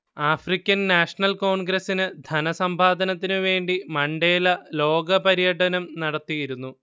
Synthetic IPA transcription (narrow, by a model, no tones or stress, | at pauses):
aːfrikʲːɐnnaːʂɐɳɐlko̞ːɳɡɾɐsinɨd̪ʱɐnɐsɐmbʱaːd̪ɐnɐt̪̬ːinɨʋe̞ːɳɖimɐɳɖe̞ːlɐlo̞ːɡɐpɐɾijɐʈʰɐnɐmnɐɽɐt̪ːijiɾunːu